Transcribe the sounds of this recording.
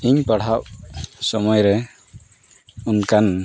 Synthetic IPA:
iɲpaɽaʔ̚sɔmɔjɾɛ | unkan

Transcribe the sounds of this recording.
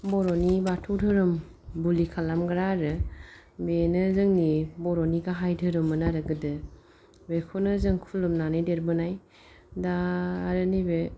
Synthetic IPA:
bɔɾɔnibatʰudʰʱɯɾɯm | bulikʰalamɡɾaɾɯ | benɯzɯŋnibɔɾɔniɡaɦajdʰʱɯɾɯmɯnaɾɯɡɯdɯ | bekʰɔnɯzɯŋkʰulɯmnanɯjdeɾbɯnaj | daːɾɯnibe

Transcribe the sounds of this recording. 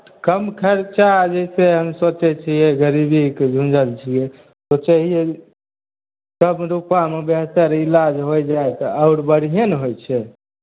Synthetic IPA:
kəmkʰəɾt͡ʃad͡ʒɛseɦəmsot͡ʃɛt͡ʃʰijɛɡəɾibiked͡ʒʱũnd͡ʒəlt͡ʃʰijɛ | sot͡ʃɛɦijɛ | kəmɾupamebeɦt̪əɾilad͡ʒɦojd͡ʒajt̪ɔaʊɾbəɽiɦenɦojt͡ʃʰɛ

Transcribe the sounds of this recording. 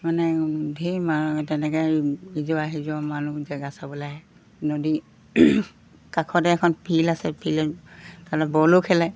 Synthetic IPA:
manɛdʱimatɛnɛkɛizɔaɦizɔamanuzɛɡasabɔlaɦɛ | nodi | kakʰɔdɛɛkʰɔnpʰilasɛpʰiltalabɔlokʰɛlaj

